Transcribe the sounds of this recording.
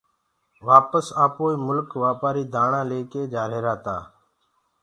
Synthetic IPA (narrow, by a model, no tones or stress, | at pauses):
ʋaːpəsaːpoːiːmʊlkʋaːpaːɾiːd̪ʱaːɳãːleːkeːd͡ʒaːɾeːɾaːt̪a̰ː